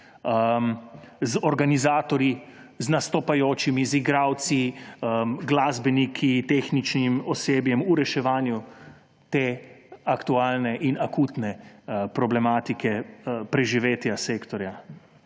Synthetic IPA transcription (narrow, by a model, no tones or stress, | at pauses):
əmzɔɾɡanizaːt̪ɔɾji | znast̪ɔpajoːt͡ʃimiziɡɾaːwt̪siəmɡlaːzbɛnikʰit̪eːxnit͡ʃnimɔseːbjɛmuɾɛʃɛʋaːnju | t̪eːakt̪uaːlnɛʔinakuːt̪nɛpɾɔblɛmaːt̪ikʰɛpɾɛʒiʋeːt̪jaseːkt̪ɔɾja